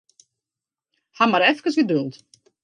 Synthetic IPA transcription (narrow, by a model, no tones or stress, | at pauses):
hamaɾɛfkəsʋidølˠt